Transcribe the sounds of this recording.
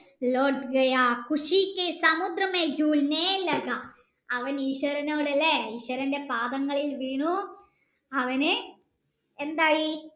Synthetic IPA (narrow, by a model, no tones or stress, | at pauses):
loːɖɡɐjaːkuʂikːesɐmud̪ɾɐmed͡ʑuːlnelɐɡɐ | ɐʋɐniːɕʋɐɾɐnoːɽɐlːeiːɕwɐɾɐnde̞paːd̪ɐŋːɐɭilʋiːɳu | ɐʋɐne | end̪aːji